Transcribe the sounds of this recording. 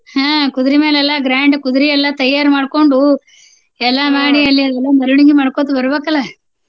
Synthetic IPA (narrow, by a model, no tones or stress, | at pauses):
hãːkud̪uɾimeːlɛlːɐɡɾaːɳɖkud̪uɾiɛlːɐt̪ɐjːaːɾmaːɽkoɳɖu | ɛlːɐmaːɽiɐlːiɐd̪ɛlːɐnɐɾuɳiɡimaːɽkot̪ːubɐɾubeːkɐlːa